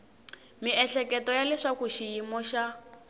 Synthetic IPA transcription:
miɛɬɛkɛtɔjalɛʂakuʃijimɔʃa

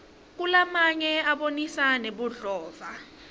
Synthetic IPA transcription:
k̬ulamaɲɛaɓonisaneɓuɮɔːva

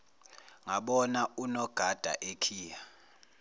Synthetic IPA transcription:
ŋaɓɔnaunɔɡ̥ʱad̥ʱa̰ʔekʰiːja

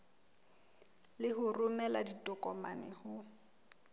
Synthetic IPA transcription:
lɪɦʊrʊmɛladitʼɔkʼɔma̰nɪ̰hʊ

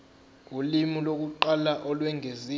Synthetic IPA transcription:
ulimilok̬uǃalaʔɔlwɛŋʱezi

